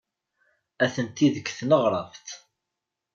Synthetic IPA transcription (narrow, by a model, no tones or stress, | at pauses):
æθənt̪iðəkːθnəʁɾˤɑvt̪